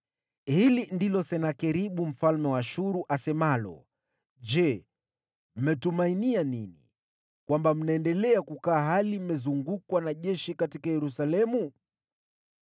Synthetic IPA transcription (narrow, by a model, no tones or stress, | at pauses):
hilindilɔsɛnakɛɾiɓum̩falmɛwaʃuɾuʔasɛmalɔ̰ | ʄd͡ʒɛ | m̩mɛtumainianinḭ | kwambam̩naɛndɛlɛakukaːɦalimɛzuŋɡukwanaʄɛʃikatikajɛɾusalɛmu